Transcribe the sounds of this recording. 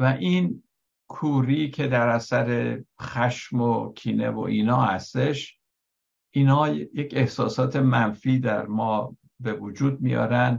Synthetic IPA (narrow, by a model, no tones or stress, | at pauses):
væʔin | kʰuːɾiːcʰe̞d̪æɾæsæɾe̞xæʃmokʲʰiːne̞̰vo̞̰ʔiːnɒːhæst̪e̞ʃ | ʔiːnhɒːjece̞hsɒ̰ːsɒːt̪ʰe̞mænfiːd̪æɾmɒː | be̞vud͡ʒuːd̪̚mijɒ̰ːɾæn